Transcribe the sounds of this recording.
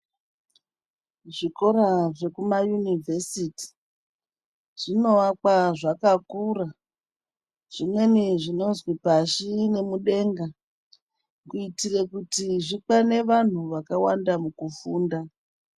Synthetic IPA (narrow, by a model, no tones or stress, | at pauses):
ʐiko̞ɾaʐe̞kumajunive̞siti̥ | ʐ̥ino̞ak͡paʐakakura | ʐ̥imwe̞niʐino̞zwipaʃine̞muɗe̞ːŋɡa | kuitirekutiʐik͡pane̞ʋan̤uʋakawandamukufuːnda